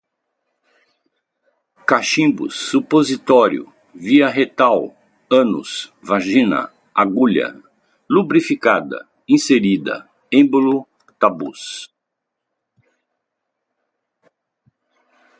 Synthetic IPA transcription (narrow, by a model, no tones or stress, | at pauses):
kaʃĩbʊ̰sːupozit̪ɔɾjʊ̰ | viɐɦet̪aw | ɐ̃nʊ̰svaʒĩnɐ̰ | aɡuʎɐ̰ | lubɾifikad̪ɐ̰ | ĩseɾid̪ɐ̰ | ẽbolʊ | t̪abṵs